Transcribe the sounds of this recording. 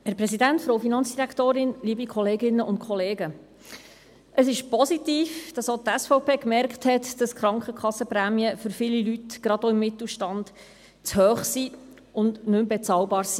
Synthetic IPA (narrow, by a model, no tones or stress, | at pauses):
hæɾprɛsidæntfɾoːwfinɑnt͡ssd̥iɾækt̪oːɾɪnliːbikʰχɔleːɡɪnːəʔʊntkʰɔleːɡə | ʔəsɪʃpɔsitiːfd̥ɑsot̪ɛsfɔʊpeːkmɛɾkχthɛtd̥ɑskχɾɑŋkχəkχɑsːəpɾæːmiəfʏɾfɪlilytɡ̥ɾɑdoːɪmːɪt̪l̩ˠʃtɑnd | t͡shœːχsi | ʊndnɵmbɛt͡sɑːlbɑːɾsi̥